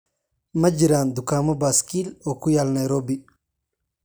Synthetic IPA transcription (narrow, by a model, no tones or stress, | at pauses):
mɐd͡ʒiɾand̪ukaːmɔbaskilɔkujalnajɾobi